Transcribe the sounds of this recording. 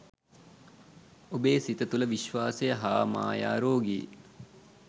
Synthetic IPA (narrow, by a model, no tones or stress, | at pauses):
obeːsit̪ət̪uləʋiʃʋaːsejəɦaːma̰ːja̰ːɾoːɡiː